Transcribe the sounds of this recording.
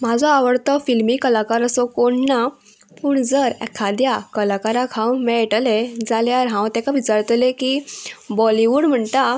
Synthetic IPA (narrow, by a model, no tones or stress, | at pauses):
m̤ad͡zʱɔaʋəɽt̪ɔfilmikəlakaɾəsɔkoɳːa | puɽd͡zəɾɛ̰kʰad̪jakəlakaɾakʰãwmɛ̃ʈəled͡zaljaɾɦãwt̪ɛ̃kaʋit͡ɕaɾt̪lekibɔliʋuɽm̤əɳt̪a